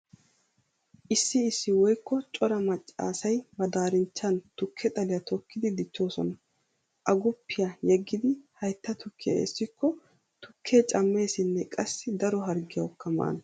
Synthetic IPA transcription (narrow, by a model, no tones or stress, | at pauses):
ʔɪsːɪːsːɪwɔjkːɔt͡ʃʼɔɾɐmɐt͡ʃʼːa̰ːsɐjmɐd̪aːɾɪnt͡ʃːɐnt̪ʊkʰːɛt̪ʼɐlɪjɐt̪ʰɔkːɪd̪ɪd̪ɪt͡ʃːo̞ːsɔ̰nɐ | ʔɐɡʊpːɪjɐjɛɡːɪd̪ɪhɐjt̪ːɐt̪ʊkʰːɪjɐ̰ḛsːɪkːɔ | t̪ʊkʰːe̞ːt͡ʃʼɐmːe̞ːsɪnːɛkʼɐsːɪd̪ɐɾɔɦɐɾɡɪjɐwkːɐma̰ːn